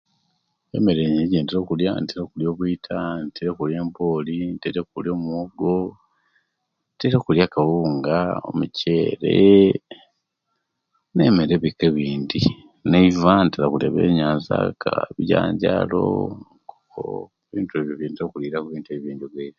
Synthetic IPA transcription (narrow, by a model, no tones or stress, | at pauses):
ḛmeɾeɲeɟeːndeɾo̞ːkuljanteɾokuljo̞ːkwuitʰantʰeɾekulje̞ːmboːlinteɾekuljo̞ːmwoɡo | nteɾekuljakawuːŋɡao̞̰muce̞ːɾḛ | ne̞meɾeβikeβiːndi | neivanteɾakula̰βḛːɲaːnza̰kʰaβiɟa̰ːɲɟa̰ːlo̞̰ŋkoko̰eβiːntue̞ːβjoβjiːndeɾoːkuliɾakuβiːntueβjeːɲɟoɡeiɾ